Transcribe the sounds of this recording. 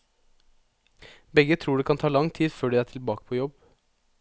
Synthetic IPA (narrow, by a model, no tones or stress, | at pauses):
bɛɡət̪ʰɾuːɖɛːkʰɑnt̪ʰɑːlɑŋt̪ʰiːd̪føːɖɛæːʈʰɪlbɑːkə̥pʰɔːjɔb